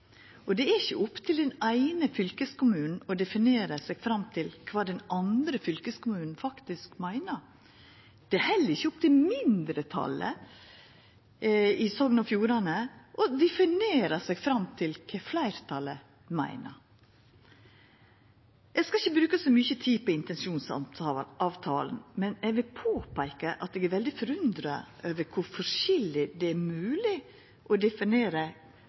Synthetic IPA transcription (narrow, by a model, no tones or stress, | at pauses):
ɔd̪ɛæɾɪçːəʊpt̪ʰɪld̪ɛnæɪnəfʏlkəskʊmʉːnn̩ɔd̪ɛfɪneːɾəsɛɡ̥fɾɑmt̪ʰɪlkʰʋɑːd̪ɛnʔɑnd̪ɾəfʏlkəskʊmʉːnn̩fɑkt̪ɪskmæɪnəɾ | d̪̥ɛhɛlːəɾɪçːəɔpt̪ʰɪlmɪnd̪ɾət̪ʰɑ̰lə̰ | ɪsɔŋnɑfjuːɾɑnəʔɔd̪ɛfɪneːɾəsɛɡfɾɑmt̪ʰɪlkʰɛflæɪɾt̪ʰɑlə | mæ̰ɪnə̰ | ɛɡskɑɪçːəbɾʉːkəsɔmyçət̪ʰiːpɔɪnt̪ɛnsuːnsɑɑʋt̪ʰɑ̰ːlənmɛnɛɡʋɪlpʰoːpʰæɪkəʔɑt̪̚ɛːɡæɾʋɛld̪ɪfɔɾʉnd̪ɾɑøːʋəɾkʰʊɾfɔʂɪlːɪd̪ɛæmʉːlɪ | ʔɔd̪ɛfɪneːɾə